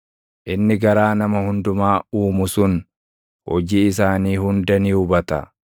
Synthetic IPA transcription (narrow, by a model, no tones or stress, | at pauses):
ʔɪnːɪɡɐɾaːnɐmɐhʊnd̪ʊmaːuːmʊsʊn | hɔd͡ʒiːɪs̬aːniːhʊnd̪ɐniʊbɐt̪ɐ̰